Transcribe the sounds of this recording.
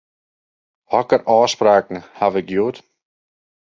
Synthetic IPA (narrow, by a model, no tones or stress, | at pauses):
hɔkəɾʔɔːspɾaːknəhaʋɪk̚joːt